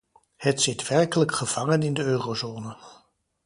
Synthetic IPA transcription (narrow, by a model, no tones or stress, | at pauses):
hətsɪtʋɛɹkələkχəv̥ɑŋənɪndəøːrozoːnə